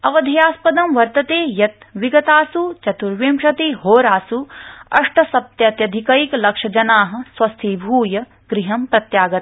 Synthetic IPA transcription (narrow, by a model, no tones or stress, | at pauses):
ɐʋɐd̪ʱɐjaːspɐd̪ɐmʋɐɾt̪ɐt̪eːjɐt̪ʋiɡɐt̪aːsut͡ʃɐt̪uɾʋjemʃɐt̪iːɦoːɾaːsuɐ̰ʂʈɐsɐp̚t̪jɐt̪jɐd̪ʱikɐiklɐkʂɐd͡ʒɐnaːɦɐ̆swɐst̪ʰiːbʱuːjɐ | ɡɾiɦɐmpɾɐt̪jaːɡɐt̪